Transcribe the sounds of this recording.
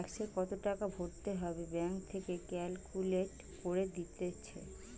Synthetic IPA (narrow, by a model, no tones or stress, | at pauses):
ɛkʃeɾkɔt̪oʈakabʱoʈt̪eɦɔbebɛŋk̚t̪ʰekekɛlkuleʈ | koɾed̪it̪et͡ɕʰḛ